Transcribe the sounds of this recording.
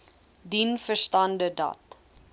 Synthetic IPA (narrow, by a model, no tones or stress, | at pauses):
dinfərstɐndədɐ̰t